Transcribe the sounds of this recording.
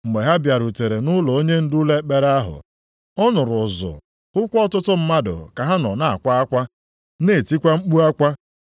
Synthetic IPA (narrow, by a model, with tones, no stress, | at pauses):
ŋ͡m̩˨ɡ͡be˨ɦa˦bja˨ɾu˨te˨ɾe˨nʊ˦lɔ˨o˦ɲe˦n̩˦du˦le˦k͡pe˦ɾa˦ɦʊ̰˨ | ɔ˦nʊ˨ɾʊ˨zʊ̰˨ | ʊ˦kʷɔ˦tʊ˦tʊ˦m̩˦ma˦dʊ̰˨ka˨ɦa˦nɔ̰˨na˨a̰˨kʷa˦a˦kʷa˦ | ne˨ti˦kʷa˦ŋ͡m̩˦k͡pu˦a˦kʷa˦